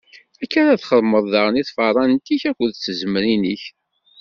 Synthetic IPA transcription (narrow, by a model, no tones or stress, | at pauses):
ækːaɾaθχəðməðˤðɑɾəniθfɑrˤɑnt̪içækʷːəðt͡sːəzəmɾiniç